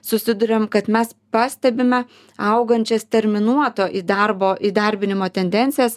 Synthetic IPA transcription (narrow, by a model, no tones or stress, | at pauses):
sʊsʲɪd̪ʊɾʲeːmkɐt̪mʲɛspɑːsʲt̪ʲɛbʲɪmʲɛ | ɐʊɡɐnʲt͡ʃʲɛst̪ʲɛɾʲmʲɪnuɔt̪oːʔiːd̪ɐrboːʔiːd̪ɐɾʲbʲɪnʲɪmoːt̪ʲɛnʲd̪ʲɛnʲtsʲɪjɛs